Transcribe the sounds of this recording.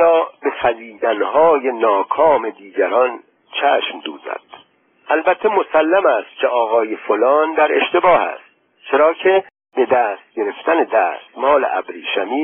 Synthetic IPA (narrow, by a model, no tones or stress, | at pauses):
ɒːbe̞fæziːd̪ænɦɒːje̞nɒːkʰɒːme̞d̪iːɟæɾɒːn | t͡ʃʰæːʃmd̪uːzæ̰d̪̥ | ælbæt̪ʰːe̞mo̞sælːæmæst̪̚cʰe̞ʔɒːɣɒːje̞folɒːnd̪æɾe̞ʃt̪e̞bɒːhæ̰st̪̚ | t͡ʃʰe̞ɾɒːcʰe | b̥e̞d̪æːst̪̚ɟe̞ɾe̞ft̪ʰæned̪æːst̪mɒːlḛʔæ̰bɾiːʃæmiː